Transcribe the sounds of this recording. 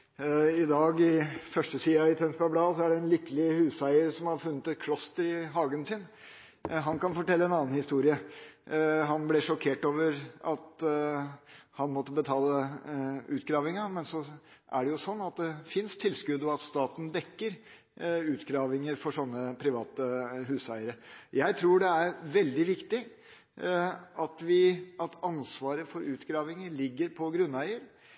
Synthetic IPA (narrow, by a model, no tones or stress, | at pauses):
ɪd̪ɑːɡɪfœʂʈəsiːɑɪt̪ʰɛnsbɑblɑːsɔæɖɛɛnlɪkːəlɪhʉːsæɪəɾsɔmhɑɾfʉnːət̪ɛt̪kʰlɔst̪əɾɪɦɑːɡənsɪn | ɦɑnkɑnfɔʈɛlːəɛnɑːnhɪst̪uːɾɪə | ɦɑnblɛʂɔkʰeːʈoːʋəɾɑt̪ | hɑnmɔt̪ːəbət̪ʰɑːlə | ʉːt̪ɡɾɑːʋɪŋɑmɛnsɔ | ʔæɖɛjʊsɔnːɑt̪̚d̪ɛfɪnst̪ʰɪlːskʉd̪ːəɔɑt̪st̪ɑːt̪n̩d̪ɛkːəɾ | ʉːt̪ɡɾɑːʋɪŋəɾfɔʂɔnːəpʰɾɪʋɑːt̪əɦʉːsæɪəɾəjæɪt̪ʰɾuːɖɛæɾʋɛld̪ɪʋɪkt̪ɪ | ɑt̪ʋɪʔɑt̪ʰɑnsʋɑːɾəfɔɾʉːt̪ɡɾɑːʋɪŋəɾɭɪɡːəɾpʰɔɡɾʉnːæɪəɾ